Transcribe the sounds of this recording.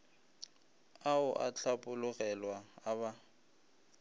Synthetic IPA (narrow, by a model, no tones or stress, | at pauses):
aʊʔat͡ɬʰapʼʊlʊɣɛlwaːba